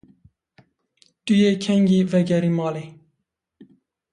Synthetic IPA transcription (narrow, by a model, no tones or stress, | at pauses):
t̪ujekʰɛŋɡivɛɡɛɾimɑːle